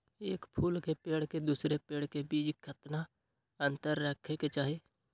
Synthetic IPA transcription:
eːkpʰuːlkepeːɽ̤ked̪uːsɾepeːɽkebiːd͡ʒkʰət̪na | ə̃nt̪əɾːəkʰeket͡ʃaːɦeː

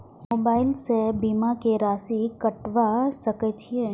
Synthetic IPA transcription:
moːbaːɪlsebiːmakeɾaːsikɐʈʋasɐkət͡ʃʰiẽː

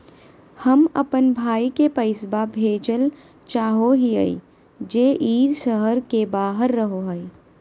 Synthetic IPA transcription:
hɐmɐ̰pənbʱaːikepɐɪsbabʱeːd͡ʒəl | t͡ʃaːɦoɦiə̰ḭ | d͡ʒeːʔiːd̪ʃəɦəɾkebaːɦəɾːɐɦoɦɐi

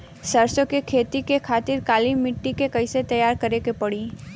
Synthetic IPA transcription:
sɐɾsokekʰeːt̪ikekʰaːt̪ɪɾkaːlimɪʈːikekɐɪset̪ɐjaːɾkɐɾekepɐɽiː

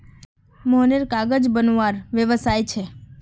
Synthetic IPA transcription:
moɦneɾkaɡəd͡ʒbənuʋaɾʋjəʋəsajt͡ʃʰe

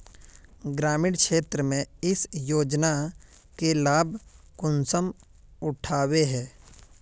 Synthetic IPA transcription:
ɡɾaːmɪɽkʃeːt̪ɾəmẽɪsjoːd͡ʒna | kelaːbkʊnsəm | ʊʈʰaːweɦɛː

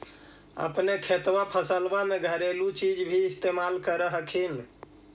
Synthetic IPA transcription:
ə̰pnekʰet̪wapʰəsəlbameɡʱəɾelut͡ʃid͡ʒbʱiɪst̪emalkəɾəɦəkʰin

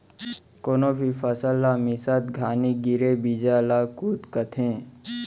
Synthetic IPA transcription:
koːnoːbʱifəsəlːaːmisat̪ɡʱaːniɡiɾebid͡ʒalaːkuːt̪kət̪ʰẽː

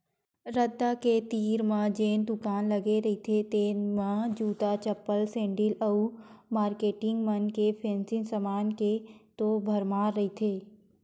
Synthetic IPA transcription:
ɾəd̪ːaket̪iːɾmãd͡ʒeːnd̪ʊkaːnləɡeɾɐɦit̪ʰet̪eːnmãd͡ʒuːt̪at͡ʃəpːəlsẽːɳɖɪləumaːɾkeːʈɪ̃ŋɡmənkepʰẽːnsɪnsəmaːnket̪obʱɐɾmaːɾːɐɦit̪ʰeː

